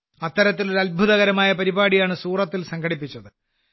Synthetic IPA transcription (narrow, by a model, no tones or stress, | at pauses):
ɐt̪ːɐɾɐt̪̬ːiloɾɐlbʱuðɐɣɐɾɐmaːjɐpɐɾibaːɽijaːɳɨsuːrɐt̪ːilsɐŋɡʰʱɐɽipːit͡ɕːɐðɨ